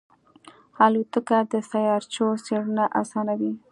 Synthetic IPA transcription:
ɑlut̪əkad̪əsajɑɾt͡ʃoseɽunaʔasɑnawi

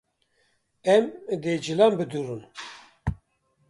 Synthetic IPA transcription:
ɛmd̪ed͡ʒilambɨd̪uɾɨn

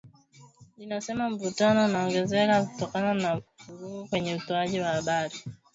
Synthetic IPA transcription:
inasɛmaɱ̩vutanɔnaɔŋɡɛzɛkaku̥tɔkananavuɾuukwɛɲɛutɔaʄiwahaɓaɾi

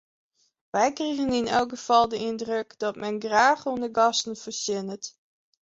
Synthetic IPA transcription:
ʋɛjkrejɣənɪnɛlˠkχəv̥ɑlˠdəɪndrøkdɔtmɛnɡraːχonəɡɑstənfəsɪnət

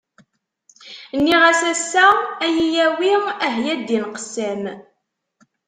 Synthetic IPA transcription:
nːiʁæsæsːææjijæwiʁæɦjæd̪ːinqə̥sːæm

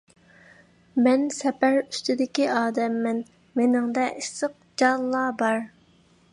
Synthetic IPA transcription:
mɛnsɛpæɾy̥st̪ɪd̪ɪkʲiɑːd̪ɛmːɪn | menɪŋd̪ɛʔisəq̚ | d͡ʒɑlːɑːbɑɾ

